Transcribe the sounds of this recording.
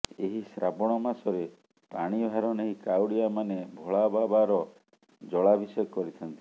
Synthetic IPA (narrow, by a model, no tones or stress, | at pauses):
eɦisɾabɔɽ̃ɔmasɔɾe | paɽ̃ibʱaɾɔneɦikawɽiamanebʱɔɭababaɾɔ | d͡ʒɔɭabʱisɔjɔkɔɾit̪ʰɔnt̪i